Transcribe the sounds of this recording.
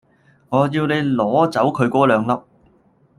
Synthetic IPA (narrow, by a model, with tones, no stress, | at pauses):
ŋɔː˨˧jiː˧wne˨˧jlɔː˨˥t͡sɐ˨˥wkʰɵ˨˧ɥkʷɔː˥lœː˨˧ŋlɐ˧˥p̚